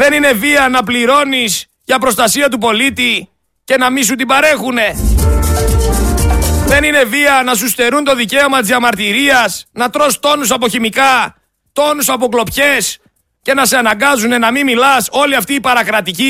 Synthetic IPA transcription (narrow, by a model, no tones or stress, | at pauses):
ðe̞nine̞viɐnɐpliɾo̞nis | ʝɐpɾo̞st̪ɐsiɐt̪̬upo̞lit̪i | ce̞nɐmis̬ut̪ibɐɾe̞xune̞ | ðe̞nine̞viɐnɐs̬ust̪e̞ɾunt̪o̞ðice̞omɐt̪izðɐmɐɾt̪iɾiɐsnɐt̪ɾo̞st̪o̞nus̬ɐpo̞çimikɐ | t̪o̞nusɐp̬o̞klo̞pçe̞s | ce̞nɐse̞ɐnɐŋɡɐzune̞nɐmimilɐso̞liɐft̪iːpɐɾɐkɾɐt̪ici